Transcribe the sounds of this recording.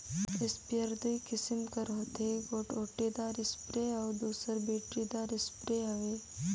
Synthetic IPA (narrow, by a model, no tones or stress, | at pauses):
ɪspjəɾd̪ikɪsɪmkəɾoːt̪eɡoːʈoːʈed̪aːɾɪspɾeɔːd̪uːsəɾbeːʈɾid̪aːɾɪspɾeɐʋeː